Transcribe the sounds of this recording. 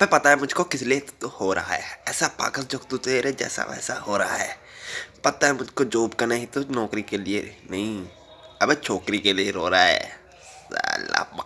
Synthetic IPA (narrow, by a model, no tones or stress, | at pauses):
ɐbepɐt̪aɦɛmʊd͡ʒʱkokɪslet̪ohoːɾɐ̰ɦaɦɛːɛːsapa̰ːkəld͡ʒokt̪ut̪eːɾɛd͡ʒɛ̰ːsa̰ɛ̰ːsa̰hoːɾɐɦa̰ɦɛː | pɐt̪aɦɛmʊd͡ʒʱkod͡ʒoːbkanaɦĩt̪onɔːkɾikelienɐɦĩ | ɐbet͡ʃʰoːkɾikelieɾoːɾaaɦɛ̰ː | za̰la̰ːpm